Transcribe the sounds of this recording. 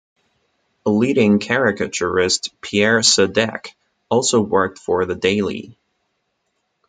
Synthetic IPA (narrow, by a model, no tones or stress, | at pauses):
əliɾɪ̃ŋkʰæɹɪkɨt͡ʃə˞ɪstpʰiɛɹsɨdɛ̰k | ɔlˠsoʊwɜ˞k̚tfə˞ðɨdeɪlˠḭ